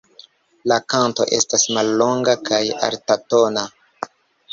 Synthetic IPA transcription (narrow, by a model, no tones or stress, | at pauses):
lakanto̞̰ʔe̞stasmalːo̞ŋɡakaja̰ɾtato̞na